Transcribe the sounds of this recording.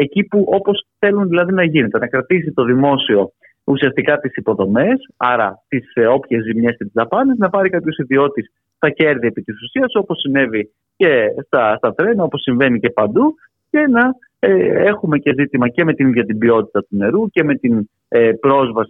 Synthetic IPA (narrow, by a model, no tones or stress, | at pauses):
e̞cipuʔo̞po̞sθe̞lunðilɐðinɐʝinet̪e̞nɐkɾɐt̪isit̪o̞ðimo̞sio̞ | usiɐst̪ikɐt̪isipo̞ðo̞me̞sɐɾɐ̰t̪iso̞pçe̞zimɲe̞sce̞t̪izðɐpɐneznɐpɐɾikɐpço̞siðio̞t̪is | st̪ɐce̞ɾðie̞pit̪isusiɐsuo̞posine̞vi | ce̞st̪ɐst̪ɐt̪ɾe̞nɐo̞po̞sːiɱve̞nice̞pɐnd̪u | ce̞nɐ | e̞xume̞ce̞zit̪imɐce̞me̞t̪inðʝɐt̪imbio̞t̪i̥t̪ɐt̪une̞ɾuce̞met̪in | pɾo̞zvɐsi̥